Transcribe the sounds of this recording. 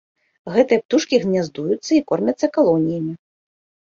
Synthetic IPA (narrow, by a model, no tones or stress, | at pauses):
ɣɛt̪ɨjɛpt̪uʂkʲiɣnʲazd̪ujut̪sːɐikɔrmʲɐt̪sːɐkalˠɔnʲijɐmʲi